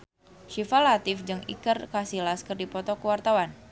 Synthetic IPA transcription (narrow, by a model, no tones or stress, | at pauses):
ʃifalat̪ɪfd͡ʒɨŋḭkərkasilaskɨrdipɔt̪ɔkəwart̪awan